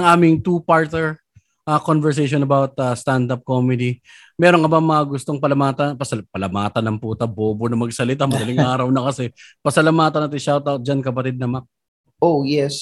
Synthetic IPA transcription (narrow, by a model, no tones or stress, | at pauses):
ɐŋʔaːmɪŋt̪upaɹt̪nɛɹ | ʔɐkonvɛɹs̬ejʃ̬onɐbawɐt̪̚ɐst̪and̪ap̚komɛd̪i | mɛːɾoŋkɐbamɐɐɡʊst̪o̞ŋpɐlɐmaːt̪ɐnpɐsɐpɐlɐmaːt̪ɐnɐŋpuːt̪ɐboːbonɐmɐɡsɐlɪt̪amɐd̪ɐlɪŋʔaːɾɐwnɐkɐsɛpɐsɐlɐmaːt̪ɐnɐt̪ɪʃawt̪ɐd͡ʒɐnkɐpɐt̪ɪd̪̚nɐmak̚ | ʔojɛs